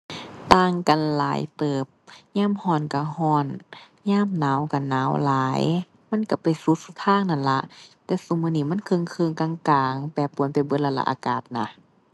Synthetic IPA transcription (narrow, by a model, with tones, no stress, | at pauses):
t̪aː˧ŋka˨nla̰ː˨˦jt̪ɤː˨˧˩p̚ɲaː˧˥˨mhɔː˧˩nka˧˩hɔː˧˩n | ɲaː˧˥˨mnaː˨˦wka˧˩naː˨˦wlaː˨˦j | ma˧˥˨nka˧˩pa˨jsu˧˦su˧˦t̪ʰaː˧˥˨ŋna˧˩nla˧˦ʔt̪ɛː˧su˧˦m˧˨niː˧˩˨ma˧˥˨nkʰɤ˧˨ŋkʰɯ˧˨ŋka˧˨ŋkaː˨˧˦ŋpɛː˧˩pːu˨˩˦npa˨jbɤ˧˦la˧la̰˧ʔaː˧˦˧kaː˨˩t̪̚na̰˧˩